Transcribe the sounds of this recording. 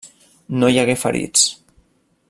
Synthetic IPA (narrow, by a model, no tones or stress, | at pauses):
nojaɣefə̰ɾḭt͡s